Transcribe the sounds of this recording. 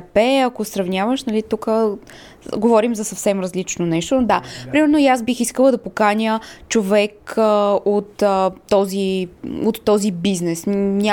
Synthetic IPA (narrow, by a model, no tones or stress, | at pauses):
pɛɐkosɾɐvnʲjavəʃnɐlit̪ukə | ɡovɔɾimzɐsɐfsɛmɾɐzlit͡ʃnonɛʃt̪od̪apɾimɛɾnojasbixiskəlˠəd̪ɐpokanʲət͡ʃovɛk | ot̪ːɔziot̪ːɔzibiznɛsnʲa